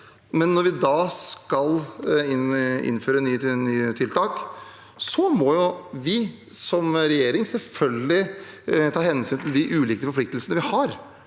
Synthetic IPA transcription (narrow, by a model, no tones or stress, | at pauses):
mɛnːɔɾʋɪd̪ɑskɑlɪnɪ̰nːføːɾənyːnyːt̪ʰɪlt̪ʰɑːk | sɔmɔjʊʋɪ | sɔmɾɛjeːɾɪŋsɛlfœlɡəlɪ | t̪ʰɑːhɛnsyːnt̪ʰɪld̪ɪʔʉːliːkəfɔɾplɪkt̪əlsənəʋɪhɑɾ